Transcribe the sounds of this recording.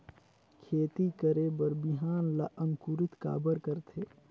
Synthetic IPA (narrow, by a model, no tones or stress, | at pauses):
kʰeːt̪ikəɾebəɾbiɦaːnlaʔəŋkuɾɪt̪ka̰ːbəɾkəɾt̪ʰeː